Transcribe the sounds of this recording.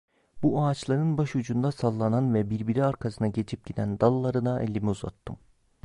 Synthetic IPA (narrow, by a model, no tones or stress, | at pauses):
b̥uaːt͡ʃlˠaɾɯnbaʃud͡ʒund̪asalˠːananvɛbiɾbiɾiaɾkʰasɯnaɟe̞t͡ʃʰip̚ɟid̪ænd̪alˠːaɾɯnaʔelʲːimiuza̰t̪ʰːɯm